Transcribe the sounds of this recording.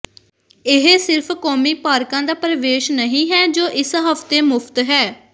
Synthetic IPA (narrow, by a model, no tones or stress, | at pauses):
ɪɦsɪɾpʰkɔːmiːpaːɾkãːd̪aːpɾəʋeːʃnəɦĩːɦɛːd͡ʒoːʔɪsɦəft̪eːmʊpʰt̪ɦɛː